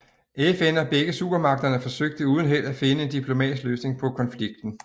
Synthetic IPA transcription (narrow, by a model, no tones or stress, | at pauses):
ʔefenɒ̽b̥eɡ̥əsṵb̥ɐmɑ̈ɡ̥̚d̥ɐnəfɒ̽søɡ̥̚d̥əuːð̞ˠn̩ɦel̰d̥æfe̝nəe̝nd̥ipʰlo̝mɛ̰ːd̥isɡ̥løːsne̝ŋpʰɒ̽kʰɒ̽nfliɡ̥̚d̥n̩